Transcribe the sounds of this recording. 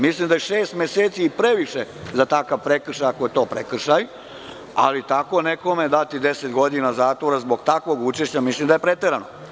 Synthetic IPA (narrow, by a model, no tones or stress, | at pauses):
mislˠimd̪ajeʃeːst̪meseːt̪siːpɾe̞ʋiʃezat̪akaʋpɾekr̩ʃajakojet̪o̞ːpɾekr̩ʃaj | a̰lit̪ako̞neko̞me̞d̪at̪id̪e̞set̪ɡo̞d̪inazaːt̪ʋo̞ɾazbo̞ɡt̪akʋo̞ɡut͡ʃeʃt͡ɕamislˠimd̪aje̞pɾet̪eɾano